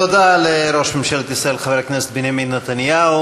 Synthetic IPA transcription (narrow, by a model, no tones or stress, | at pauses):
ad̪aleɾo̞ʃmimʃelet̪isɾaelχaveɾkneset̪binjamid̪nat̪anjau